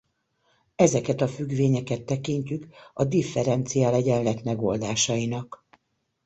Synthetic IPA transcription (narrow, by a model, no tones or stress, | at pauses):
ɛzɛkɛt̪ɒfyɡʋeːɲɛkɛt̪ːɛkiɲcykɒd̪ifːɛɾɛnt̪sijalɛɟɛnlɛt̪mɛɡo̰ld̪aːʃɒjinɒk